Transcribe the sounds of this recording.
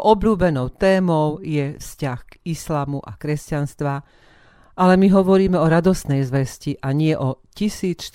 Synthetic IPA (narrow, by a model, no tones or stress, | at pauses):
ʔɔbluːbɛnɔʊt̪ɛːmɔʊjɛfscaxɡislaːmuʔakɾɛscanst̪ʋa | ʔalɛmiɦɔʋɔɾiːmɛɔɾad̪ɔst̪nɛjzʋɛsciʔaɲɪɛʔɔcisiːt͡sʃ